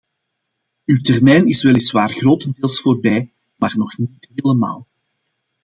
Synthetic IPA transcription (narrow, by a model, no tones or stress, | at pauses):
ywtɛrmɛjnɪsʋɛlɪsʋaːrɣroːtəndeːlˠsfoːrbɛj | maːrnɔxniːtɦeːləma̰ːlˠ